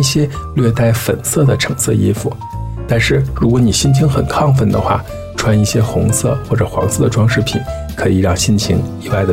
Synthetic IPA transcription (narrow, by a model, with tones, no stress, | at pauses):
i˥˩ɕjɛ˥lɥɛ˥˧t̪a˥˩ɪfə̰˨˩nsɤ˥˩d̪ə˩ʈ͡ʂʰɤ˨˩ŋsɤ˥˧i˥fṵ˨˩ | t̪a˥˧nʂɻ̩˥˩ɻu˧˥k̬wɔ˧˥ni˨˩ɕi˥˩nt͡ɕʰi˧˥ŋxə˨˩nkʰɑ˥˧ŋfə˥˩nd̪ə̰˩xwa̰˥˩ | ʈ͡ʂʰwa˥ni˥˩ɕjɛ˥xʊ˧˥ŋsɤ̰˥˩xwɔ˥˩ʈ͡ʂɤ˨˩xwɑ̰˧˥ŋsɤ˥˩d̪ə˩ʈ͡ʂwɑ˥ŋʂɻ̩˥˩pʰḭ˨˩˦n | kʰɤ˧˥i˨˩ɻɑ˥˧ŋɕi˥˩nt͡ɕʰi˧˥ŋi˧˨˩wa˥˩ɪd̪ə˩